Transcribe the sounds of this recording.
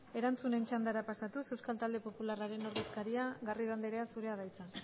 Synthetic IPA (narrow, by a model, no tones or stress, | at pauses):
e̞ɾant͡sunent͡ʃand̪aɾapasat̪use̞wskalt̪ald̪e̞po̞pularaɾe̞no̞ɾðeskaɾiaɣariðand̪eɾe̞asuɾe̞aðajt͡sa